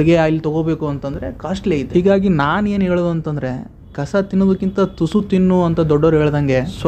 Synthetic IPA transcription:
ɭiɡeaːilːit̪ɐɡoːbe̞ːkuɐnt̪ɐnd̪ɐɾe̞kaːʂʈleid̪ːiːɡaːɡinaːneːnɦeːɭːd̪uɐnt̪ɐnd̪ɐɾe̞ | kɐsɐt̪inːoːd̪ɐkːint̪ɐt̪usut̪inːuɐnt̪ɐd̪ɔɖːɐɾɦeːɭd̪ɐŋɡe̞s

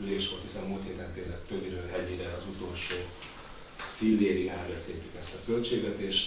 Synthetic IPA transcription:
yleːʃʋo̞lt̪hisɛnmult̪heːt̪ɛnt̪eːlɛtt̪ːøbiɾøːlɦɛɟeːɾɛɒzut̪o̞lʃoː | filːeːɾiaːlbɛseːlt̪ykɛst̪ɒkø̞lt͡ʃeːɡʋɛt̪eːʃ

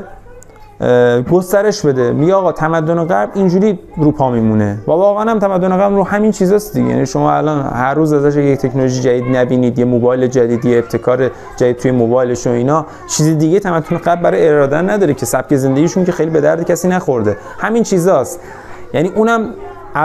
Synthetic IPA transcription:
ɡost̪æɾe̞ʃbe̞d̪e̞miɟeɒːɣɒːt̪ʰæmæd̪ːoneɣæɾblind͡ʒuːɾiːɾuːpʰɒːmiːmune̞vævɒːɣæænæmt̪ʰæmæd̪ːoneɣæbɾuːhæmint͡ʃʰiːzɒːsd̪iɡɟḛjæ̰niʃomɒ̰æ̰lɒːnhæɾːuːzæzæʃ̬eject̪ʰe̞cʰnoloʒid͡ʒæd̪iːd̪næbiːniːd̪jemobɒːjle̞d͡ʒæd̪iːd̪jeːb̚t̪ʰe̞kʰɒːɾe | d͡ʒæd̪id̪̚t̪ʰuːjemobɒːjle̞ʃoiːnɒ | t͡ʃʰiːzed̪iɟet̪ʰæmæd̪ːoneɣæbːæɾɒjeeɾɒːd̪ænnːæd̪ɒːɾecʰe̞sæp̚ce̞ze̞nd̪eɡiːʃunce̞xejlibe̞d̪æɾd̪ecʰæsiːnæxo̞ɾd̪e̞ | hæmint͡ʃʰiːzɒːst̪ | jæniːʔuːnæm | æ

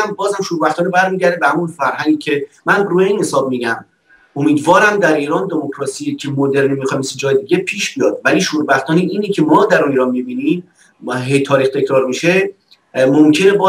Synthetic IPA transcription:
æmbɒːzhæmʃuːɾbæxt̪ʰɒːnebæɾmiːɟæɾd̪ebehæmunfæɾɦæŋɡicʰe̞mænruːjeiːnhe̞sɒːb̚miːɟæm | omiːd̪vɒːɾæmd̪æɾiːɾɒːnd̪e̞mokʰɾɒːsiːjecʰemod̪e̞ɾnimixɒmsed͡ʒɒːjed̪iːɟʲe̞pʰiːʃbijɒːd̪væliːʃuːɾbæxt̪ʰɒːneʔiːnicʰemɒːd̪æɾuniːɾɒːnmibiːnim | ɦet̪ʰɒːɾiːxt̪ʰe̞cʰɾɒːɾmiʃe | momcʰenebɒː

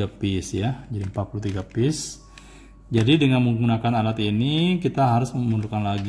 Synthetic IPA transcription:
apɪsjad͡ʒadimpat̪̚pulut̪iɡapɪs | d͡ʒadidəŋanməŋɡunakanalat̪inikit̪aɦaɾʊsməmundukanlaɡ

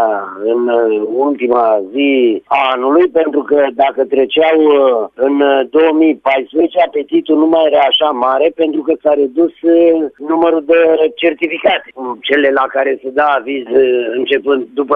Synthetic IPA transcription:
ɨnult̪imaziaanulujpe̞nt̪ɾukəd̪akət̪ɾet͡ʃawɨnd̪oomipajspɾeet͡ʃeape̞t̪it̪unumaje̞ɾaːʃamaɾe̞pent̪ɾukəsaɾed̪usnuməɾud̪et͡ʃe̞rt̪ifikat̪ekut͡ʃe̞le̞lakaɾe̞sed̪aːvizɨnt͡ʃe̞pɨnd̪̚d̪upə

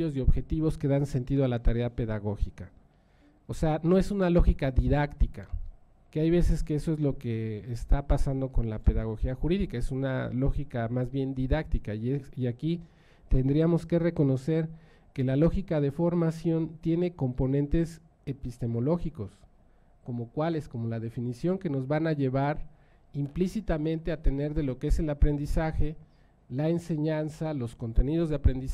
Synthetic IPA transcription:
ozeo̞βxe̞t̪iβo̞ske̞ðanse̞nt̪iðoalat̪aɾe̞ape̞ðaɣo̞xika | oseano̞e̞sunalo̞xikaðiðakt̪ika | keajβ̞e̞se̞ske̞eso̞e̞zlo̞ke̞ːst̪apasand̪o̞ko̞nlape̞ðaɣ̞o̞xiaxuɾiðikae̞suna̰lo̞xikamazβje̞nd̪iðak̚t̪ikaiiaki | t̪e̞nd̪ɾiamo̞ske̞re̞ko̞no̞se̞ɾ | ke̞lalo̞xikað̞e̞fo̞ɾmasjo̞nt̪je̞ne̞ko̞mponent̪e̞s | e̞pist̪e̞mo̞lo̞xiko̞s | ko̞mo̞kwale̞sko̞mo̞lað̞e̞finisjo̞ŋke̞no̞zβanaʝe̞β̞aɾ | implisit̪amẽ̞nt̪e̞at̪e̞ne̞ɾðe̞lo̞keese̞lapɾe̞nd̪isaxe̞ | laense̞ɲansalo̞sko̞nt̪e̞niðo̞zðeapɾe̞nd̪is

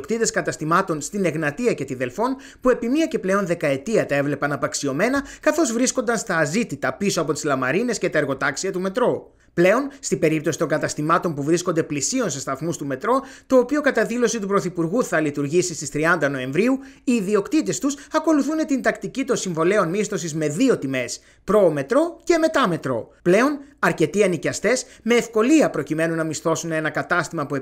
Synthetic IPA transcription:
okt̪it̪e̞skɐt̪ɐst̪imɐt̪o̞nst̪ine̞ɣnɐt̪iɐce̞t̪iðe̞lfo̞n | pue̞pimiɐce̞ple̞o̞nðe̞kɐe̞t̪iɐt̪ɐe̞vle̞pɐnɐpɐksio̞me̞nɐkɐθo̞zvɾisko̞nd̪ɐnst̪ɐːzit̪it̪ɐpiso̞ɐpo̞t̪izlɐmɐɾine̞sce̞t̪ɐeɾɣo̞t̪ɐksiɐt̪ume̞t̪ɾo̞ | ple̞o̞nst̪ibe̞ɾipt̪o̞si̥t̪o̞ŋɡɐt̪ɐst̪imɐt̪o̞mpuvɾisko̞nd̪e̞plisio̞nse̞st̪ɐθmust̪ume̞t̪ɾo̞t̪o̞ːpio̞kɐt̪ɐðilo̞sit̪upɾo̞θipuɾɣuθɐlit̪uɾʝisist̪ist̪ɾiɐnd̪ɐno̞e̞ɱvɾiuiːðio̞kt̪it̪e̞st̪usɐko̞luθune̞t̪ind̪ɐkt̪icit̪o̞nsiɱvo̞le̞o̞nmist̪o̞sizme̞ðio̞t̪ime̞s | pɾo̞ːme̞t̪ɾo̞ce̞me̞t̪ɐme̞t̪ɾo̞̰ple̞o̞nɐɾce̞t̪iɐnicɐst̪e̞sme̞ːfko̞liɐpɾo̞cime̞nunɐmist̪o̞sune̞nɐkɐt̪ɐst̪imɐpue

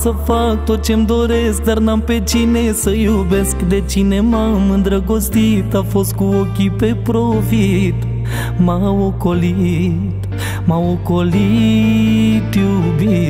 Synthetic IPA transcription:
səfak̚t̪ot͡ʃemd̪oɾesd̪ɐɾnampet͡ʃinesəjubeskd̪et͡ʃinemamɨ̃nd̪ɾɐɡost̪it̪ɐfoskuokipepɾofit̪ | maʋokoli | t̪ | maʋokoli | ʈjubi

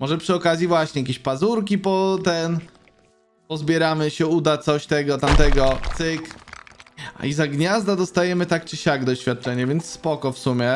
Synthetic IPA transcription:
mɔʐɛpʂɨɔkazʲjivwaɕɲɛjakʲeɕpazuɾkʲipɔt̪ɛn | pɔzbʲjɛɾamɘɕɛud̪at̪sɔɕt̪ɛɡɔt̪amt̪ɛɡɔt̪sɘk | izaɡɲazd̪ad̪ɔst̪ajɛmɘt̪akt͡ɕiɕaɡd̪ɔɕfʲat̪̚t͡ʂɛɲɛvʲjɛnt̪sspɔkɔfsumʲjɛ

